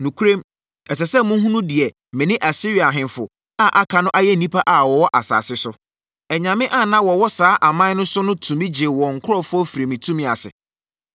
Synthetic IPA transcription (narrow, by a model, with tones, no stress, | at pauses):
nũ˨kʰu˦ɾẽ˦m | ɛ˨sɛ˨sɛ˦mʊ̃˦ɦũ˦nũ˦dɪ˨ɛ˨ | mɪ̃˨nɪ̃˦ʔa˨si˦ɾi˨a˨ɦɪ̃˨nfʊ˨ | a˦ʔa˦kʰa˨nʊ̃˦ʔa˦jɛ˦˨nĩ˦pʰa˦ʔa˨wɔ˨wɔ˦ʔa˨sa̰ː˨sɪ˦sʊ˦ | ɛ˨ɲã˨mɪ̃˦ʔa˦˨nã˦wɔ˨wɔ˦saː˨˦ʔa˨mã˦nʊ̃˦sʊ˦nʊ̃˦tʰũ˨mĩ˦d͡ʑɪ˨ɛ˨wɔ̃˨ŋ̩˨kʰʊ˦ɾɔ˦fʊ˦ɔ˦fi˨ɾe˨mĩ˨tʰũ˦mĩ˦a˨sɪ̰˨